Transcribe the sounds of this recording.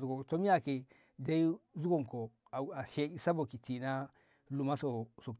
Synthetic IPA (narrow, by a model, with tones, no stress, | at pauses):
u˨ɡo˨to˦mi˦ja˦˨ke˨ | da˦i˦zu˦ɡo˦˨ŋko˨ | a˨a˨ʃe˦i˦sa˦bo˨ki˨ti˨na˦ | lu˨ma˦so˨so˨